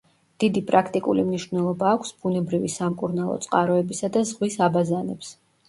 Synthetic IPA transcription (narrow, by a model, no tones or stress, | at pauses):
d̪̥id̪ipʼɾakʰt̪ʼikʼulimniʃvnɛlˠɔbaːkʷʰsbunɛbɾivisamkʼuɾnalˠɔ̰t̪sʼqʼaɾɔɛbisad̪azʁwisabazanɛps